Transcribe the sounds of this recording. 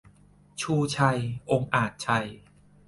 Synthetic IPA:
t͡ɕʰuː˧˩t͡ɕʰa˧jʔo˧ŋʔaː˨˩t̪̚t͡ɕʰa˧j

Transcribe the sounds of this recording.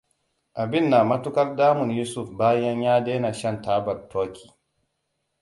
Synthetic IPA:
ʔa˨bɪ˦˨nːaː˨mɐ˦tʊ˦kɐ˦rdaː˦mʊ˨njuː˦sʊ˦˨fbaː˦jɐ˦ɲjaː˦deː˦na˨ʃɐ˦ntaː˦bɐ˨rtʰoː˦kʰʲi̥ː˨

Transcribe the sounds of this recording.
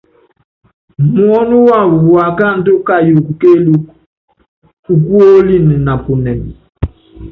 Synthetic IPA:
mu˦ɔ˦nu˦wa˦˨wu˨wwa˨ka˦˨n̩˦do˦ka˦˨jo˨ku˨ke˦lu˨˦ | u˨ku˦o˦li˦ni˨na˨pu˨nɛ˨mi˨

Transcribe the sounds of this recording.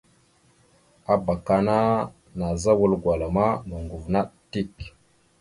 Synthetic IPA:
a˨ba˨ka˨na˦ | na˨za˦wu˨lɡwa˨la˨ma˦nə˨ŋɡu˨vna˦ɗti˦k

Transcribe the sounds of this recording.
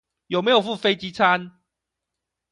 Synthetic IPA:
jo˨ʊme˨˥ɪjo˨˩ʊfu˥˨fe˥˦ɪt͡ɕi˦˥t͡sʰa˦n

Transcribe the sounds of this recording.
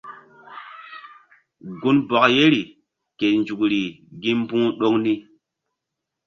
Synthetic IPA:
ɡu˦nbɔ˨kje˦ɾi˨ | ke˨nd͡ʒu˨kɾi˨ɡi˦m˦bũ˦ɗo˦ŋni˦

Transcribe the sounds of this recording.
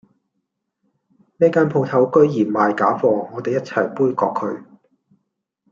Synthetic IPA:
mɛː˥kaː˥npʰo˧wt̪ʰɐ˨˥wkɵ˥ɥjiː˨˩maː˨jkaː˨˥fɔː˧ŋɔː˨˧t̪e˨jɐ˥t̚t͡sʰɐ̰˨˩jpuː˥jkɔː˧kʰːɵ˨˧˥ɥ

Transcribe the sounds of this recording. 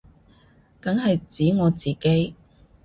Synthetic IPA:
kɐ˨˥ŋɦɐ˨jt͡siː˨˥ŋɔː˨˧t͡siː˨ke˨˥j

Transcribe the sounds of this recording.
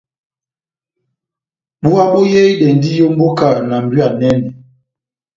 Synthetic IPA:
ɓu˦a˦bo˦jɛ˦ɗɛ˨n˨di˦jo˦m̩˦bo˦ka˨na˨m̩˨bɥa˨nɛ˦nɛ˨

